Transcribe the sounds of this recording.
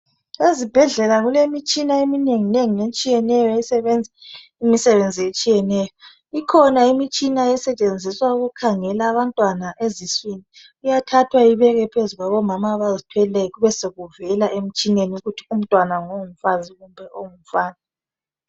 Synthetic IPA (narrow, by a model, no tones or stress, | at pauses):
ezib̥ʱɛɮɛlaɣulemit͡ʃʼinaemineŋineŋinet͡ʃʼijɛnɛjɔjɛsɛβɛnd͡zʱɛ | imisɛβend͡zʱijet͡ʃʼijɛnɛjɔ | ikʰɔnaimit͡ʃʼinajɛsɛt͡ʃʼend͡zʱiswauɣukʰaŋɛlaːβantʼwanaʔeziswini | ujatʰatʰwaiβɛɣɛpʰezuɣwaβɔmamaβazitʰwɛlɛɣuβɛseɣuvɛlaʔem̩t͡ʃʼineniuɣutʰi̥um̩tʼwanaŋom̩faziɣumbʱɛʔoŋum̩faːna